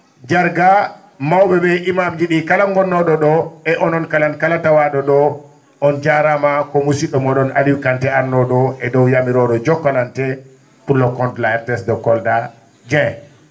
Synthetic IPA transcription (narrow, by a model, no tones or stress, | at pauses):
d͡ʒaɾɡa | mawbɛbɛʔimamd͡ʒiɗikalaŋɡɔnːɔɗɔɗɔɛʔɔnɔnkalankalatawaɗɔɗɔ | ʔɔnd͡ʒaɾamakɔmusiɗɔmɔɗɔna̰liwkantɛaɾnɔɗɔɛdɔwjamiɾɔɗɔd͡ʒɔkːalantɛ | pulːɔkɔntlaɛɾtɛsdɔkɔlda | d͡ʒɛ